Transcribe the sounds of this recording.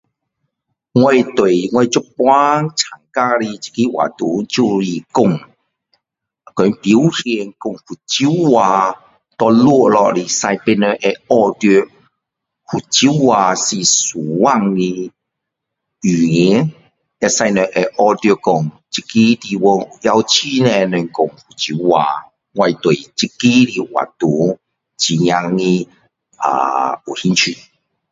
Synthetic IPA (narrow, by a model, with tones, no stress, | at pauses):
ŋwa˧jt̪we˨˩jŋwa˧t͡ɕu˦˥˦pwa˦t͡sʰa˨˩ŋka˦˧ɾi˧t͡ɕi̥˧ki˦wa̰˨˩t̪u˨˦t͡ɕu˧ɾi˨˩kʊ˧˩ŋ | kɔ˨˦npi˨˦whɛ˧nkʊ˧˨ŋhu˨˩t͡ɕi˦wa˧ | t̪ɔ˧lwu˥˧˨lɔ˧ɾi˨˩sa˧jpe˧nə˧ʔe˧ɔ˧t̪jø˧ | hu˨˩t͡ɕi˦wa˧si˧˩su˨˩wa˦˧ŋːĩ˧ | y˨ŋi˨˦ | e˧sa˧jnɛ˧ʔe˧ʔɔ˧t̪jo˧kɔ˨˩ŋ | t͡ɕi˧˦ki˦di˧wɔ˧u˨ja˧wt͡ɕʰi˦nẽ˧nɛ˨ŋkɔ˨ŋhu˨˩t͡ɕi˦wa̰˧ | ɡwa˧i˧t̪we˨t͡ɕi˦ki˦ɾi˧wa̰˨t̪u˨˦ | t͡ɕi˨ɲj̃a˧ŋːĩ˧ | a̰˨u˨hi˦nt͡ɕʰi˧˩